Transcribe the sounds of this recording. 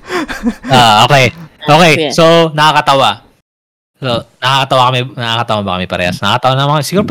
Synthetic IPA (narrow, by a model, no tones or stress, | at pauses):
oʔoːkɛjʔokɛjsonɐkɐkɐt̪ɐwa | sonɐkɐkɐt̪ɐwakɐmɪnɐʔakɐt̪ɐwabɐkɐmɪpɐɾɛ̰ːhɐ̰snɐɐkɐt̪ɐwanɐmɐkɐmsɪɡuːɾop